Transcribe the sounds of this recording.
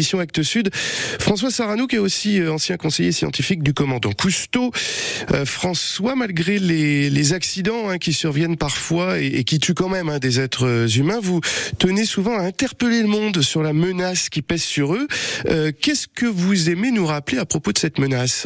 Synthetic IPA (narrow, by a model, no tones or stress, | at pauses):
isjɔ̃ak̚t̪əsyd̪fχɑ̃swasaʁanukʲɛosiɑ̃sjɛ̃kɔ̃sejesjɑ̰̃t̪ifik̚d̪ykɔmɑ̃d̪ɑ̃kust̪oø̰fχɑ̃swamalɡʁelelezaksid̪ɑ̃ɛ̃kʲisyʁvjɛnpaʁfwaeekʲit̪ʰykɑ̃mɛmɛ̃d̪ezɛt̪χəzymɛ̃vut̪ənesuvɑ̃aɛ̃t̪ɛʁpəleləmɔ̃d̪syʁlamənaskʲipɛzsyʁøøkʲɛskəvuzemenuʁapleapχɔpod̪əsɛt̪mənas